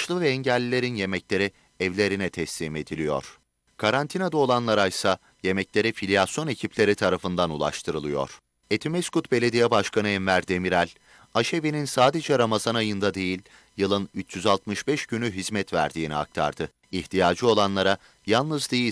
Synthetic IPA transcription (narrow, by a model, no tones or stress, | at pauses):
ʃlˠɯvɛːɲɟɛlʲːilʲe̞ɾinje̞mɛclʲe̞ɾi | ɛvlʲe̞ɾinɛt̪ʰɛslʲiːme̞d̪ilʲijo̞̰ɾ̥ | kʰaɾant̪ʰinad̪ao̞lˠanlˠaɾajsa | je̞mɛclʲe̞ɾifilʲijasjo̞necʰipʰlʲe̞ɾit̪ʰaɾafɯnd̪anulˠa̰ʃt̪ʰɯɾɯlˠɯjo̞̰ɾ̥ | et̪ʰimɛskut̪be̞lʲe̞d̪ijɛbaʃkʰanɯɛnmæɾd̪e̞miɾælʲ | aʃebininsaːd̪e̞d͡ʒɛɾamazanajɯnd̪ad̪e̞jilʲ | jɯlˠɯnyt͡ʃjyzalˠt̪mɯʃbɛʃɟynyɦizmɛt̪væ̰ɾd̪iːnia̰k̚t̪ʰa̰ɾd̪ɯ | içt̪ʰijaːd͡ʒɯo̞lˠanlˠaɾa | jalˠnɯzd̪eji